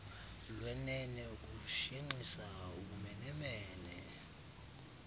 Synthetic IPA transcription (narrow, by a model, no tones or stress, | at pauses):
lwɛnɛnɛk̬ʼuʃiŋ͡ǃisauk̬ʼumɛnɛmɛːnɛ